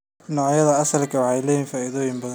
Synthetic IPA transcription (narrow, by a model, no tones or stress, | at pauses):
nɔːʕjɐðɐɐsɐlkʰɐwɑħɑjlɛːjiːnfaːiðɔːjɪmbɐðɐ